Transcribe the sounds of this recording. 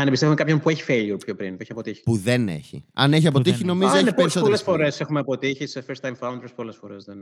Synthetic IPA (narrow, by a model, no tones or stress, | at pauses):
ɐnepist̪evumekɐpço̞npueçi̥feʎiupçopɾinpueçiɐpot̪içi̥puðenḛçḭɐ̰neç̬iɐpo̞t̪içino̞mizenepeissoolesfo̞ɾesexumeɐpo̞t̪içisefest̪ɐjmfɐund̪eɾspo̞le̞sfo̞ɾe̞zðen